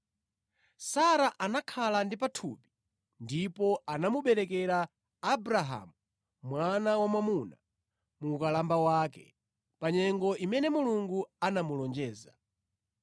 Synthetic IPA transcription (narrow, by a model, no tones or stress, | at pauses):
saɾaʔanakʰalandipatʰṵpi̥ | ndipɔanamuɓɛɾɛkɛɾaː | bɾaɦa̰ːmu | mwanawamamuna | mukalambawaːkɛ̰ | paɲɛŋɡɔimɛnɛmuluŋɡuanamulɔnd͡ʒɛːza